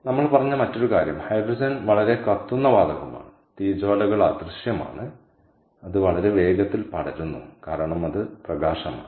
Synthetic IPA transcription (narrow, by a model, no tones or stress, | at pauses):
nɐmːɐɭpɐrɐɲːɐmɐtːo̞ɾukaːɾjɐmhɐjɖrɐd͡ʑɐnʋɐɭɐɾe̞kɐt̪ːunːɐʋaːd̪ɐɣɐma̰ːɳɨ | t̪iːd͡ʑoːlɐɣɐɭɐd̪rɨʂjɐma̰ːɳɨ | ɐðɨʋɐɭɐɾe̞ʋe̞ːɡɐt̪ːilpɐɽɐɾunːukaːɾɐɳɐmɐðɨprɐɣaːʂɐma̰ːɳɨ